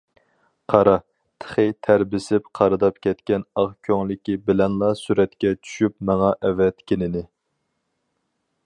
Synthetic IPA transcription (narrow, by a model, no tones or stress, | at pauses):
qʰɑɾɑ | t̪ʰə̥χɨt̪ʰæɾbɪsɪpqʰɑɾɨd̪ɑpkʲʰɛt̪kʲɛnɑʁkʲʰøŋlɪkʲibɪlɛnlˠɑsyɾɛt̪kʲɛt͡ʃʰy̥ʃypmɛŋɑʔɛvɛt̪kʲʰɪnɪnɪ